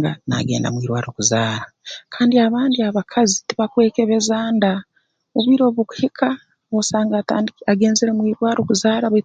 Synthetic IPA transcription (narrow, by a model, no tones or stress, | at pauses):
ɡana̰ɡeːnda̰mwiːɾwaːɾo̞kuzaːɾa | kʰaːndiaβaːndiaβakʰazitiβakwe̞ːkeβezaːnda | βuβiɾo̞ːβuku̥hikʰa | βosaːŋɡataːndiaɡe̞ːnzeɾemwiːɾwaːɾokuzaːɾaβo